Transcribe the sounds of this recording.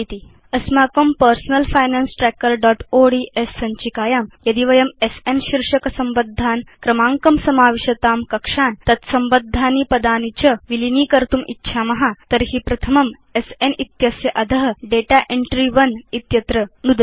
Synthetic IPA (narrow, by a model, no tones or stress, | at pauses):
it̪i | ɐsmaːkɐmpɐɾsnɐlfaːjnaːnsʈɾɛkɐɾɖɔːʈoɖiːʔʔesːɐɲt͡ʃikaːjaːmjɐd̪iʋɐjɐmesenɕiɾʂɐkɐsɐmbɐd̪ʱːaːnkɾɐmaːŋkɐmsɐmaːʋiʃɐt̪aːmkɐkʂaːnt̪ɐt̪sɐmbɐd̪ʱːaːniːpɐd̪aːnit͡ɕɐʋiliniːkɐɾt̪umʔḭtːɕʰaːmɐɦat̪ɐɾɦiːpɾɐt̪ʰɐmɐm | esenit̪jɐsjɐʔɐd̪ʱɐɦɖeːʈaːʔeɳʈɾiʋɐnit̪jɐt̪ɾɐnud̪